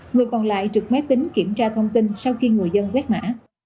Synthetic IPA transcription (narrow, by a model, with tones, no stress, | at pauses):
ŋɨ˨˩əjkɔ˨˩nla̰ː˧˨jt͡ɕɨ˨˩k̚mɛ˦˥p̚t̪ï˨˦ŋki˧˩əmt͡ɕaː˧t̪ʰə˧wŋ͡mt̪i˧nsa˧wxi˧ŋɨ˨˩əjzə˧nwɛ˦˥t̚ma̰ː˧˥